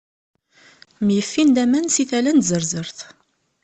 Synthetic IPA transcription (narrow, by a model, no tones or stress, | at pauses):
mjəfːind̪æmænsiθælænzəɾzəɾθ